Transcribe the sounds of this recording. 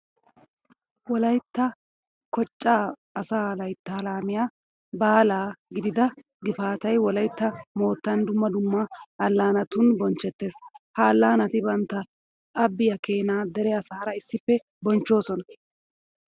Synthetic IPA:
wɔlɐjt̪ːɐ | kɔt͡ʃʼːaː | saːlɐjt̪ːaːlaːmɪja | baːlaːɡɪd̪ɪd̪ɐ | ɡɪfaːt̪ɐjwɔlɐjt̪ːɐmo̞ːt̪ːɐnd̪ʊmːɐd̪ʊmːɐʔɐlːaːnɐt̪ʊnbɔnt͡ʃːɛt̪ːe̞ːshɐːlːaːnɐt̪ɪbɐnt̪ːɐ | ʔɐbːɪjɐke̞ːnaːd̪ɛɾɛɐsaːɾɐɪsːɪfːɛ | bɔnt͡ʃːo̞ːsɔnɐ

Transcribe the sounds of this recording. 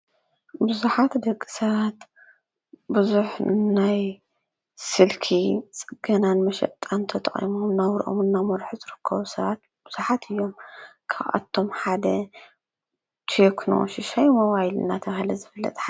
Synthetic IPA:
bɨzuħat̪d̪ɐkʼːi̥sɐβat̪ | bɨzuħnaj | sɨlkʰit͡sʼɨɡɐnanmɐʃɐ̰ʔt̪ʼant̪ʰɐt̪ʼɐχʼḭmomnawɾʔo̰mnːamɐɾħuzɨɾɨkʰːɐβusɐβat̪̚ | b̥ɨz̥uħat̪ʰɨjːo̞mkʰaβʔa̰t̪ʰːo̞mħad̪ɐ | t̪ʰekʰno̰ʃɪʃajmɐwajlɨ̰nːat̪ʰɐβahɨlɐzɨfɨlːɐ̰t̪ʼħa

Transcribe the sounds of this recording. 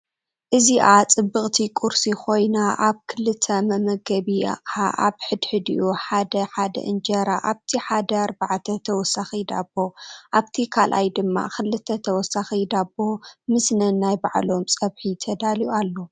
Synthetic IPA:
ʔɨziʔat͡sʼɨbːɨχʼt̪ʰikʼuɾsikʰo̞jnaʔaβkʰɨlɨt̪ʰːɐmɐmɐɡɐβia̰qʼaʔaβħɨd̪ħɨd̪ḭʔuħad̪ɐħad̪ɐ̰ʔɨnd͡ʒɐɾaʔaβt̪ʰiħad̪ɐaɾbaʕt̪ʰɐt̪ʰɐwɔsːaxid̪a̰bːo̞ʔaβt̪ʰikʰalʔa̰jd̪ɨmːa̰xɨlːɨt̪ʰːɐt̪ʰɐwɔsaxid̪abːo̞mɨsnɐnːajbaʕlo̞msʼɐβħit̪ʰɐd̪alijualːo

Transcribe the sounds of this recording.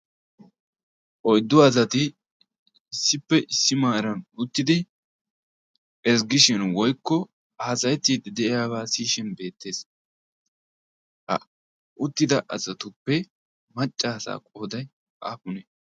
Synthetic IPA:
ʔɔjd̪ːʊɐzɐt̪ɪː | sːɪpːɛʔɪsːɪmaːɾɐnʊt̪ːɪd̪ɪ | ɛsɡɪʃɪnwɔjkːɔ | aːsɐjɛt̪ːiːd̪ɪd̪ɛʔɪjaːbaːsiːʃɪnbe̞ːt̪ːe̞ːs | hɐ̰ | ʊt̪ːɪd̪ɐʔɐzɐt̪ʊpːɛ | mɐt͡ʃʼːaːsa̰ːkʼo̞ːd̪ɐj | ʔa̰ːpʊnɛ

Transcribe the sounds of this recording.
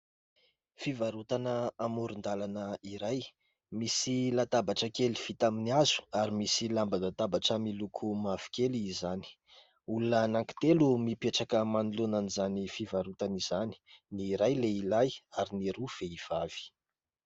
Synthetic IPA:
fivaɾut̪anəamuɾund̪alanəiɾaj | misilat̪abaʈ͡ʂəkelifit̪aminiazu̥aɾimisilambad̪at̪abaʈ͡ʂəmilukʰumav̥i̥keliːzani̥ | ulunənaŋki̥t̪elumipeʈ͡ʂakəmanulunanizanifivaɾut̪anizani̥niɾajleilajaɾineɾuv̥eiv̥av̥i̥

